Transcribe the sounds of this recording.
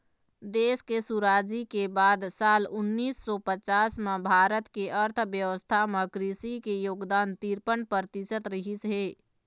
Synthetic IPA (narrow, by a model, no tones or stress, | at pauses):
d̪eːskesuɾaːd͡ʒikebaːd̪saːlʊnːiːsːɔpət͡ʃaːsmẽbʱaːɾət̪keʔəɾt̪ʰʋjəʋəst̪ʰamẽkɾiːsikejoːɡd̪aːnt̪iɾpənpəɾt̪ɪsət̪ɾɪɦɪsɦeː